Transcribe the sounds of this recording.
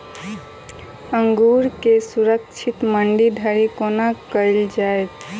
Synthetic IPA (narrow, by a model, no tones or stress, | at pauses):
əŋɡuɾkesuɾəkt͡ʃʰit̪məɳɖiɖʱəɾikonakəɪld͡ʒaet̪